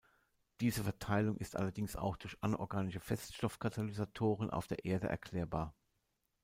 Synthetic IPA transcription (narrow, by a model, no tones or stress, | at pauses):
d̥iːzəfɛɐtʰaɪlʊŋʔɪstʔa̰lɐdɪŋsa̰ʊxd̥ʊɐçʔanʔɔ̰ɐɡaːnɪʃəfɛstʃtɔfkʰatʰalizatʰoːʁ̞ənʔa̰ʊfd̥eːɐʔeːɐdə̰ʔɛ̰ɐkʰl̥ɛːɐbaːɐ